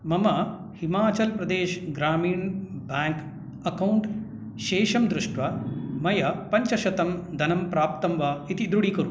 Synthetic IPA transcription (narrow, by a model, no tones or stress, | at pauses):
mɐmɐ | himaːt͡ʃɐlpɾɐd̪eːʃɡɾaːmiːɳbjaːŋk | ɐkɐwɳʈ | ʃeːʃɐmd̪ɾuʂʈʋɐmɐjɐpɐɲt͡ʃɐʃɐt̪ɐmd̪ʱɐnɐmpɾaːpt̪ɐmʋɐit̪id̪ɾuɽikɐɾu